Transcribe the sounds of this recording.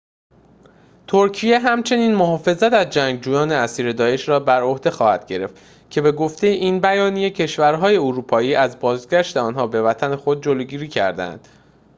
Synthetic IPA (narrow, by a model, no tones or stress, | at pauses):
t̪ʰoɾcʰije̞ɦæmt͡ʃʰe̞niːnmoɦɒːfe̞zæt̪æzd͡ʒæŋɡ̚d͡ʒuːjɒːne̞æsiːɾe̞d̪ɒːe̞ʃɾɒːbæɾo̞hd̪e̞xɒːhæd̪̥ɟe̞ɾe̞̰ft̪ | cʰe̞be̞ɡo̞ft̪e̞jeʔiːnbæjɒːnije̞cʰe̞ʃvæɾɦɒːje̞oɾuːpʰɒːiːʔæzbɒːzɡæʃt̪eɒːnɦɒːbe̞væt̪ʰæne̞xo̞d̪̚d͡ʒoloɟiːɾiːcʰæ̰ɾd̪æ̰nd̪̥